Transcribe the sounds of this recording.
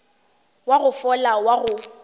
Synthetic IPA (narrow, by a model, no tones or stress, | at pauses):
waɣʊfɔlawaɣʊ